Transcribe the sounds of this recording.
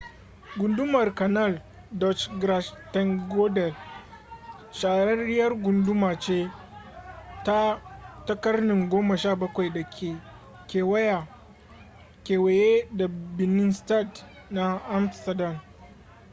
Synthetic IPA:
ɡʷʊ˨ndʊ˦mɐ˨rkɐ˨nɐ˦˨l | dɔ˦t͡ʃɡɾa˦ʃtɛ˦ŋɡɔ˦dɛ˨l | ʃaː˨ɾɐ˦ɾɪ˦jɐ˦rɡʷʊ˨ndʊ˦maː˨t͡ʃeː˦ | ta˦tɐ˦kɐ˦rnɪ˨ŋɡʷoː˦ma˨ʃaː˦˨bɐ˦kʷa˨jda˨kʲʰeː˨ | kʲeː˨wɐ˦jaː˨ | kʲeː˨we˨je˦da˨bɪ˨nɪ˦nsta˦˨t | na˦ʔa˦msɐ˨da˨m

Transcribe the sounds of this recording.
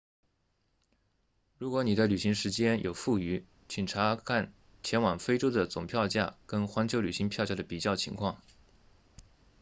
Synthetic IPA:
ɻu˧˥kwɔ˧˥ni˨˩t͡sa˥˩ɪly˨˩ɕi˧˥ŋʂɻ̩˧˥t͡ɕjɛ˥njʔo˨˩ʊfu˥˩y˧˥ | t͡ɕʰi˨˩nʈ͡ʂʰa˧˥kʰa˥˩n | t͡ɕʰjɛ˧˥nwɑ˨˩ŋfe˥ɪʈ͡ʂo˥ʊd̪ə˨t͡sʊ̰˨˩ŋpʰjɑ˥˧ʊt͡ɕja̰˥˩kə˥nxwa˧˥ŋt͡ɕʰjly˨˩ɕi˧˥ŋpʰjɑ˥˧ʊt͡ɕja˥˩d̪ə˩pi˨˩t͡ɕjɑ˥˩ʊt͡ɕʰḭ˧˥ŋkʰwɑ˥˩ŋ

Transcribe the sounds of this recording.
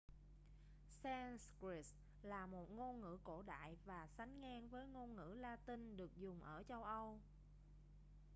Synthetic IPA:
sɛ˧nskɹi˧˥s | laː˨˩mo˨˩t̚ŋo˧nŋɨ̰˧˥ko˧˩ɗa̰ː˧˨jvaː˨˩sa˨˦jŋ̟ŋaː˧nvəː˨˦jŋo˧nŋɨ̰˧˥laː˧t̪ï˧nɗɨ˨˩ək̚zʊ˨˩ŋ͡mʔəː˧˩t͡ɕə˧wʔə˧w

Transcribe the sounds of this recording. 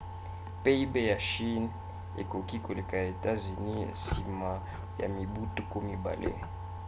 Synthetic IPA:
pe˦i˦be˦ja˨ʃi˦n | ḛ˨ko˨ki˦ko˨le˨ka˨ja˨e˨ta˦zy˨ni˦a̰˨si˨ma˨ | ja̰˨mi˨bu˦tu˦ko˦mi˦ba̰˨lʔḛ˦

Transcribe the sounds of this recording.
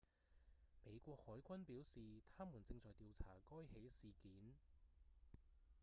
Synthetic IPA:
me˨˧jkʷɔː˧k̚hɔː˨˥jkʷɐ˥npiː˨˥wsiː˨t̪ʰaː˥muː˨˩nt͡sɪ˧ŋt͡sɔː˨˩jt̪iː˧wt͡sʰa̰ː˨˩kɔː˥jhe˨˥jsiː˨kiː˨˥n

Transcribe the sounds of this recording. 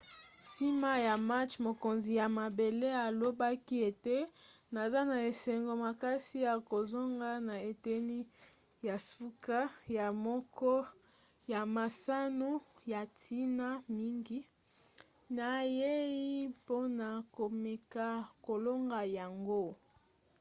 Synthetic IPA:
si˦ma˦ja˨ma˦t͡ʃmo˨ko˨nzi˨ja˨ma˨be˨le˦a˨lo˦ba˦ki˦e˨te˦ | na˨za˦na˨e˨sɛ˨ŋɡo˨ma˨ka˦si˦ja˨ko˨zo˦ŋɡa˦na˨e˨te˦ni˦ | ja˨su˦ka˦ja˨mɔ˦kɔ˦ | ja˨ma˨sa˦no˦ja˨tʰi˦na˦mi˦ŋɡi˦ | na˨je˦i˦po˦na˨ko˨me˨ka˨ko˨lo˦ŋɡa˨ja˨ŋɡo˦

